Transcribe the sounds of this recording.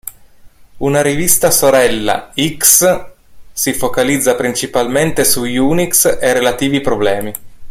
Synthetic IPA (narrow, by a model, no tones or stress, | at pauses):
unaɾivist̪asoɾɛlːa̰iks | sifokalid̪zːapɾint͡ʃipalment̪esujunikserelat̪iːvipɾoblɛːmi